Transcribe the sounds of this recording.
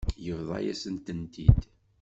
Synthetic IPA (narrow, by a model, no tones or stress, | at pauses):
jəvðˤɑ̰jæ̰sənt̪ənt̪id̪